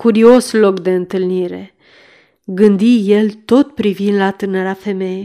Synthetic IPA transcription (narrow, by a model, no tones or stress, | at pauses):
kuɾio̞slo̞kd̪e̞ɨnt̪ɨlniɾe̞̰ | ɡɨnd̪ije̞lt̪o̞t̪̚pɾivind̪lat̪ɨnəɾafe̞me̞je